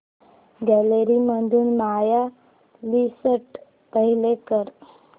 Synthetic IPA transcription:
ɡɛleɾiməd̪ʱuːnmaja | lisəʈ | pəɦilekəɾ

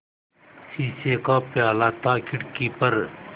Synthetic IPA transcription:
siːseːkaːpjaːlaːt̪ʰaːkʰɪʈkiːpɐɾ

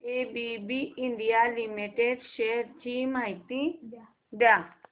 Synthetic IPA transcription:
ebibiiɳɖijalimiʈeɖʃeɾt͡ɕimajt̪ĩ | d̪ja

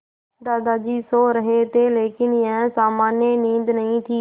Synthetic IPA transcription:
d̪aːd̪aːd͡ʒiːsoːɾɐɦet̪eːleːkɪnɪãsaːmaːnjənĩːnd̪nɐɦĩt̪ʰiː

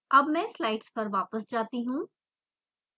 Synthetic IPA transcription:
ɐbmɛ̃ːslaːɪʈspɐɾʋaːpəsd͡ʒaːt̪iɦũː

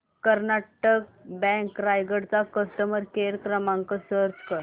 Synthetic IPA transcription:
kəɾnaʈək̚bɛ̃ŋkɾajɡəɽt͡sakəsʈəməɾkeɾkɾəmãŋkəsəɾtkəɾ

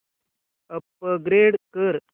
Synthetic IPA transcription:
əpːəɡɾeːɽkəɾ

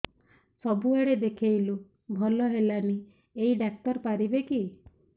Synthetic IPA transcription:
sɔbuaɽed̪ekʰejlu | bʱɔlɔɦelani | ejɖak̚t̪ɔɾpaɾibeki

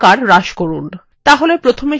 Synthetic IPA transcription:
kaɾɾaʃkoɾun | t̪aɦolepɾot̪ʰome

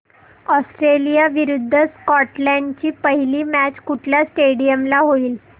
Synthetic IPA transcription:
ɔsʈɾelijaʋiɾud̪ʱːəskɔʈlaɳɖt͡ɕiːpəɦiliːmæt͡ɕkuʈʰljasʈeɽijəmlaɦoiːl

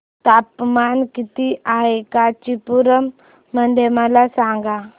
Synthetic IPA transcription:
t̪ap̚mankit̪iaɦekat͡ɕipuɾəmː | ənd̪ʱeməlasãŋɡa

